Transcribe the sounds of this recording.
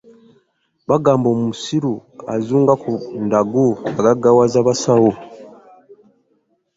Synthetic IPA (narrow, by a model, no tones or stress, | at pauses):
βaɡaːmbo̞ːmumusiɾua̰zuːŋɡakundaɡuaɡaɡawazaβasawo